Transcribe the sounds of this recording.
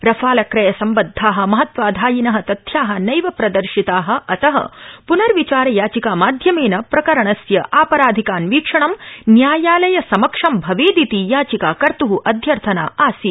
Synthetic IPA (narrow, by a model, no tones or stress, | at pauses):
ɾɐfʰaːlɐkɾɐjɐsɐmbɐd̪ʱːaːɦɐ̆mɐɦɐt̪ʋaːd̪ʱaːjinɐɦɐ̆t̪ɐt̪ʰjaːɦɐ̆nɐjʋɐpɾɐd̪ɐɾʃit̪aːɦɐ̆ɐt̪ɐɦɐ̰punɐɾʋit͡ʃaːɾɐjaːt͡ʃikaːmaːd̪ʱjɐmeːnɐpɾɐkɐɾɐɳɐsjɐʔaːpɐɾaːd̪ʱikaːnʋiːkʂɐɳɐmnjaːjaːlɐjɐsɐmɐkʂɐmbʱɐʋeːd̪it̪ijaːt͡ʃikaːkɐɾt̪uɦuʔɐd̪ʱjɐɾt̪ʰɐna̰ːaːsi